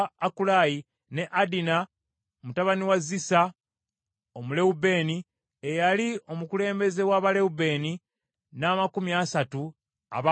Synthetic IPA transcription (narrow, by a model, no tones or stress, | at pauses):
akulaji | ne̞ʔadina | mutaβaniwazisa | omule̞ube̞ːni | ejalio̞mukule̞ːmbe̞ze̞waβale̞ube̞ːni | naːmakumiasatu | a̰βa